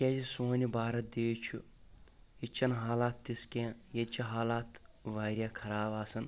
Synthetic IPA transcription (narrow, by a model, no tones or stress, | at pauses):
kʲeːzisoːnibaːɾɐd̪eːt͡ʃʰu | it͡ʃʰɐnɦaːlaːt̪ːiskẽːjet͡ʃʰɐɦaːlaːt̪ʋaːɾʲjaːkʰɐɾaːbaːsɐn